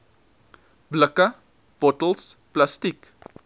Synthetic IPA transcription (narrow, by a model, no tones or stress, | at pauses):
bləka | b̥ɔtəlsplastik